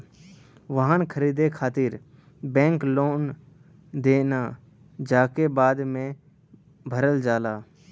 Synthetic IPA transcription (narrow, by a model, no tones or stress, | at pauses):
ʋəɦankʰəɾiːd̪ekʰaːt̪ɪɾ | bɛ̃ːŋkloːn | d̪eːnaː | d͡ʒaːkebaːd̪mẽː | bʱəɾəld͡ʒaːlaː